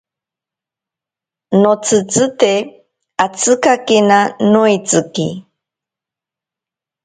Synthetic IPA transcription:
not͡sɨt͡sɨt̪e | at͡sɨkakenanuit͡sɨkḭ

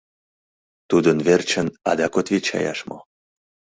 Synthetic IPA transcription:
t̪ud̪ənvert͡ɕə̆na̰d̪ɑkot̪vʲet͡ɕa̰jɑ̰ʃmo̰

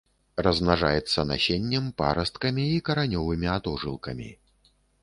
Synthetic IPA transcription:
rɐzmnaʐajɛt̪sːɐna̰ɕʲenʲːɛmpa̰ɾɐst̪kɐmʲiːkɐɾanʲɔvɨmʲiat̪ɔʐɨlˠkɐmʲḭ

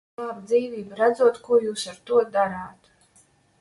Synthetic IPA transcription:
abd̪ziːviːbɾad̪zuɔt̪kuɔjuːsaɾt̪uɔd̪aɾaːt̪

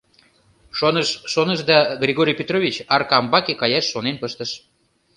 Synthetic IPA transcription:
ʃonəʃːonəʃd̪ɑɡrʲiɣoɾʲijpʲet̪rovʲit͡ɕɑrkɑmbɑkekɑjɑʃːonenpəʃt̪əʃ

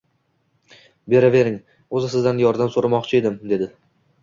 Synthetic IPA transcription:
be̞ɾave̞ɾɪŋ | ɵzɪsɪzd̪anjɒɾd̪amsoɾamɒqt͡ʃʰɪe̞d̪ɪmd̪e̞d̪ɪ

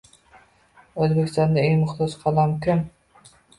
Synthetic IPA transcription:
øzbɪkʲʰi̥st̪ɑnd̪ɑeŋmʊχt̪ɑd͡ʒqʰɑlˠɑmkʲʰøm

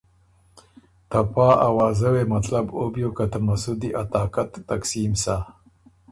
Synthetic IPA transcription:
t̪apaːawɑːzawemat̪labobjokat̪amasud̪iʔat̪aːkat̪ːaksimsa

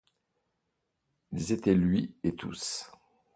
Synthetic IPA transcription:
ilzet̪ɛlɥiet̪ʰṵs

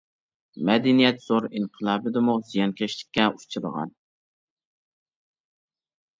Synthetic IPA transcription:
mɛd̪ɛnijɛt̪z̥oɾinqʰəlˠɑːbɨd̪ɨmuz̥ijɑnkʲʰɛʃlɪ̥k̚ʲːɛʔut͡ʃʰɨɾə̰ʁɑ̰n

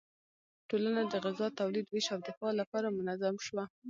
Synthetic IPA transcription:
ʈolanad̪əɣɪzɑt̪awlid̪weʃawd̪ɪfɑlapɑɾamʊnazamʃwa

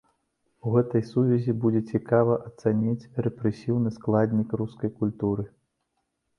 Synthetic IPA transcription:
uɣɛt̪ɐjsuvʲɛzʲibud͡zʲɛt͡sʲikavɐʔɐt̪sanʲit͡sʲrɛpɾɛsʲiwnɨsklˠad̪ʲnʲikruskɐjkulʲt̪uɾɨ

